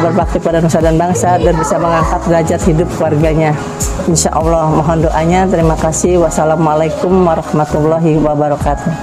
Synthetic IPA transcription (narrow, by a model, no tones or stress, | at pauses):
bərbak̚t̪ipadanusadanbaŋsadanbisaməŋaŋkat̪̚ɡad͡ʒat̪hidʊp̚kluwarɡaɲa | ɪnʃaʔɔlːɔhmaɦɔndoʔaɲat̪əɾimakasɪhwasalamalajkʊmwaɾɑhmat̪ulːɔɦiwabaɾɔkat̪ʊ